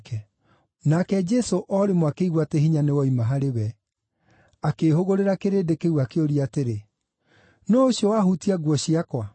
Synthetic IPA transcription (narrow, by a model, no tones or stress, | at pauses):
kɛ | nakɛd͡ʒɛsoʔɔɾemwakeiɣwateɦiɲanewɔimaɦaɾeβɛ | akeːhoɣoɾeɾakeɾedekeɣwakeoɾiateɾe | nɔoɕjɔwaɦutiaɣwɔɕiakwa